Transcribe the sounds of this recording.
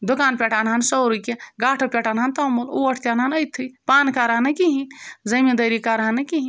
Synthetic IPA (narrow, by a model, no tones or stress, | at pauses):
d̪ukaːnpʲeʈʰaːnɦansowɾukeɡaːʈʰɐpʲeʈʰaːnɦaːnt̪ɐmuluɐʈʰt̪ʲjaːnanəjt̪ʰːɨpaːnkaːɾaːnɐkiɦĩnzɐmed̪ɐɾikaːɾɦanɐkiɦĩ